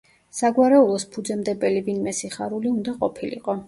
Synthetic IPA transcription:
saɡwaɾɛulˠɔspʰud̪zɛmd̪ɛbɛlibinmɛsiχaɾuliund̪aqʼɔpʰilḭqʼɔ

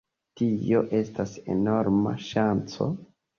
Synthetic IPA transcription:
tio̞ʔe̞stase̞̰no̞ɾma̰ʃant͡so̞̰

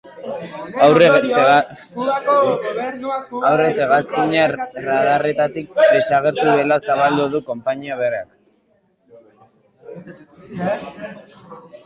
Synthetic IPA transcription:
awr | awrese̞ɣaskiɲaraðare̞t̪at̪ik̚d̪e̞saɣeɾt̪uðe̞lasaβald̪uðuko̞mpaɲiaβereak

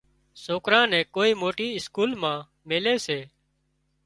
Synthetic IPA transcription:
soːkɾãːnɛ̃ːkoːiːmoːʈiːɪskuːlmãː | meːleːseː

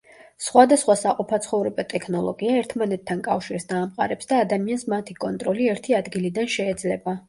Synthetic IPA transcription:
sχwad̪asχwasaqʼɔpʰat̪sʰχɔvɾɛbat̪ʼɛkʰnɔlˠɔ̰ɡiaɛɾt̪ʰmanɛt̪ʰːankʼafʃiɾsd̪aːmqʼa̰ɾɛpsd̪aːd̪amiansmat̪ʰikʼɔnt̪ʼɾɔliɛɾt̪ʰiad̪ɡilid̪anʃɛːd̪zlɛba

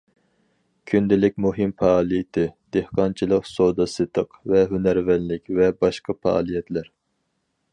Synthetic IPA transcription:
kʲʰynd̪ɪlɪk̚ʲmuɦɨmfɑːlˠijɪt̪ʰɪd̪̥ehqɑnt͡ʃʰilˠəqsod̪ɑsɨt̪ʰəqvɛɦynæɾvɛnlɪkʲvɛbɑʃqɑfɑɑ̰lˠijɛt̪ʰlæɾ

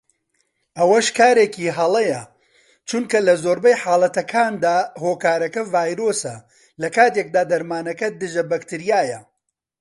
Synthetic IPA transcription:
ʔɐwɐʃkaːɾeːkiːɦɐlˠɐjɐ | t͡ʃunkɐlɐzoːɾbɐjħaːlˠɐt̪ɐkʰaːnd̪aːhoːkaːɾɐkɐvaːjɾoːsɐ | lɐkaːt̪ek̚d̪aːd̪ɐɾmaːnɐkɐd̪ɨʒɐbɐkt̪ɨɾijaːjɐ

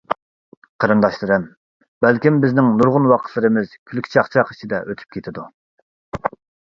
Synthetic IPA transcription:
qʰəɾɨnd̪ɑʃlˠɨɾɨm | bælkʲimbɪznɪŋnuɾʁʊnwɑqʰə̥t̪lˠɨɾɨmɨz̥kʲʰylkʲi̥t͡ʃʰɑχt͡ʃʰɑqi̥t͡ʃʰid̪ɛʔøt̪ʰy̥p̚kʲʰet̪ʰɪd̪u

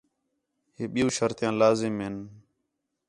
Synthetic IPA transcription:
ɦeːɓɪjũːʃəɾt̪jãːlaːzɪmɦɪn

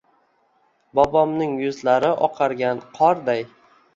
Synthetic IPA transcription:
bɒbɒmnɪŋjʊzlaɾɪʔɒqʰɑɾɡʲanqʰɒɾd̪aj

